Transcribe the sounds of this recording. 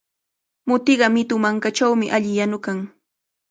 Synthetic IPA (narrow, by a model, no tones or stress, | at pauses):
mʊt̪ɪɢɑmɪt̪ʊmaŋkat͡ʃawmɪʔaʎɪjanʊkaŋ